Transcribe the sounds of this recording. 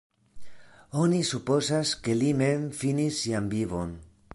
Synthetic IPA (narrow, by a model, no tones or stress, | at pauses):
o̞nisupo̞zaske̞lime̞mfinisːianbivo̞̰n